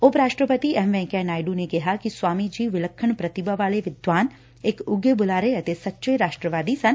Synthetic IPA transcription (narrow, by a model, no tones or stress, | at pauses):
ʊpɾaːʃʈɾəpət̪iɛmʋɛ̃ːkɛnaːjɖunekɐɦakiswaːmid͡ʒiːʋɪləkʰːəɳ̃pɾɐt̪ɪbaʋaːleʋɪd̪ʋaːn | eːkʊɡebʊlaːɾeɐt̪esɐtːʃəɾaːʃʈɾəʋaːd̪isɐn